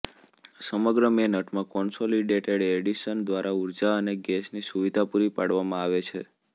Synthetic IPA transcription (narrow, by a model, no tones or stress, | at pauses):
səməɡɾəmenəʈʰmãkɔnsoliɖeʈeɽeɽiʃənd̪ʋaɾʔauɾd͡ʒaəneɡɛsnisuʋid̪ʱapuɾipaɽʋamãaʋet͡ʃʰe